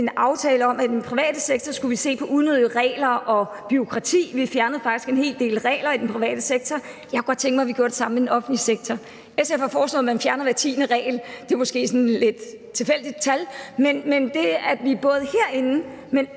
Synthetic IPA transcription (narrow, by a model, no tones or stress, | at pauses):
e̝nɑ̈ʊt͡sʰɛːləɒ̽mʔæid̥enpʰʁiʋɛ̰ːd̥əseɡ̥̚t͡sʰɒsɡ̥uʋise̝̰ːpʰɒ̽ʔuðˠnøðˠiʁɛ̰ːlɐʔɒ̽ | b̥yo̝kʰʁɑ̈t͡sʰḭːʋifjæɐnəð̩ˠfɑ̈ɡ̥i̥sɡ̥e̝nhe̝̰ːld̥e̝̰ːlʁɛ̰ːlɐid̥enpʰʁiʋɛ̰ːd̥əseɡ̥̚t͡sʰɒjɑɪkɡ̥ɒ̽d̥̚t͡sʰeŋɡ̥əmɑ̈ʋiɡ̥ʰo̝ɐde̝sɑ̈m̰m̩ed̥enɒ̽fn̩liseɡ̥̚t͡sʰɒ | esefɑfɒːslɔ̰ðˠmænfjæɐnɐʋæɐt͡sʰḭːnəʁɛ̰ːld̥e̝mo̽sɡ̥e̝̰ːsɒ̽nle̝d̥ | t͡sʰe̝fel̰d̥id̥̚t͡sʰælmenmend̥e̝æʋib̥ɔ̽ːð̞ˠəhe̝ɐ̰e̝nn̩ | men